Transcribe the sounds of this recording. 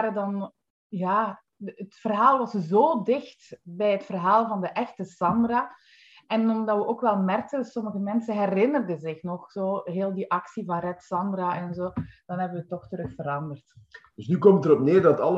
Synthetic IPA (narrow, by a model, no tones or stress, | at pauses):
ɾədɑn | jaː | ətfərɦaːlˠʋɑszoːdɪxtbɛjətfərɦaːlˠvɑndəʔɛxtəsɑmdraː | ɛnɔmdɑʋəʔoːkʋɛlˠmɛrk̚tənsɔməɣəmɛnsənɦɛɾɪnərdəzɪxnɔxz̥oːɦeːlˠdiʔɑksivɑnrɛtsɑmdraʔɛnzoːd̥ɑnɦɛbəʋətːɔxtəɾɵxfəɾɑndərtd̥ɵsnykɔmtəɾɔpneːrdɑtɑl